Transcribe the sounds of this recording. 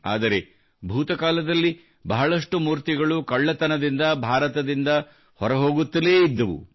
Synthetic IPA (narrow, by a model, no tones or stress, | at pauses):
a̰ːd̪ɐɾe̞ | bʱuːt̪ɐkaːlɐd̪ɐlːi | bɐɦɐɭɐʂʈumuːɾt̪iɡɐɭukɐɭːɐt̪ɐnɐd̪ind̪ɐbʱaːɾɐt̪ɐd̪ind̪ɐ | hɔɾɐɦo̞ːɡut̪ːɐleːid̪ːɐʋṵ